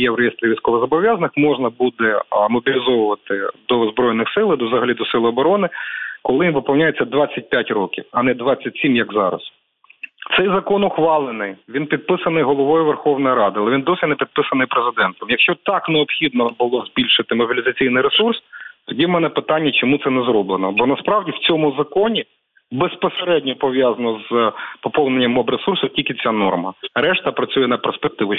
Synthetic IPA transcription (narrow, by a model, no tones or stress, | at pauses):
jɛwɾejest̪ɾʲiʋʲijsʲkɔʋɪɣzɐbɔʋʲjɑzɐnɪxmɔʒnɐbud̪ɛmɔbʲilʲɪzɔʋʊʋɐt̪ɪd̪ɔzbɾɔjnɪxsɪlˠɪd̪ɔzɐɦɐlʲid̪ɔsɪlˠʊɔbɔɾɔnɪkɔlˠɪinʋɪpɐlˠnʲajet͡sʲːɐd̪ʋɑt͡sʲːɐt̚ʲpʲjatʲɾɔkʲiwɐnɛd̪ʋɑt͡sʲːɐtʲsʲimjɐɡzɑ̰ɾɐ̰s | t̪sɛjzɐkɔnʊxʋɑlˠɪnɪjʋʲinpʲid̪̚pɪsɐnɪjɦɔlˠɔʋɔjʊʋerxɔwnɔjɾɑd̪ɪɐlˠɛʋʲind̪ɔsʲɪnepʲid̪̚pɪsɐnɪjpɾezɪd̪ɛnt̪ɔmjɐkʃt͡ʃɔt̪ɑkneɔpxʲid̪̚nɔbʊlˠɔzʲbʲilʲʃɪt̪ɪmɔbʲilʲizɐt͡sʲijnɪjɾesurst̪ɔdʲiwmɛnɛpɪt̪ɑnʲːɐt͡ʃɔmut̪sɛnɛzɾɔblˠenɔbɔnɐspɾɑwdʲiwt͡sʲɔmʊzɐkɔnʲi | bespɔseɾɛdʲnʲɔpɔʋʲjazɐnɔzpɔpɔwnenʲːɐmɔbɾesursʊtʲilʲkɪt͡sʲanɔrmɐɾɛʃt̪ɐpɾɐt͡sʲujɛnɐperspek̚t̪ɪʋʊ